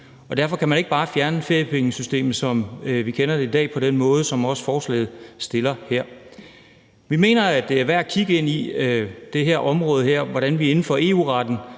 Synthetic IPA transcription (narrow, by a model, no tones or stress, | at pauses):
ɒ̽d̥æɐfɒ̽kʰæmæne̝ɡ̥b̥ɑ̈ːfjæɐnəfe̝ɐ̰jəpʰeŋəsysd̥e̝̰ːmð̩ˠsɒ̽mʋikʰenɐd̥e̝id̥ɛ̰ːpʰɒ̽d̥enmɔ̽ːð̞̩ˠəsɒ̽mɒ̽sfɒːslɛ̰ːð̞̩ˠsd̥e̝lɐheɐ̰ | ʋime̝̰ːnɐæd̥e̝æɐʋæɐ̰kʰiɡ̥əe̝n̰id̥e̝ɦeɐʔɒ̽mʁɔ̽ːð̞ˠɦeɐ̰ʋɒɾ̥ænʋiɐe̝n̩fɒːe̝̰ːṵːʁɑd̥n̩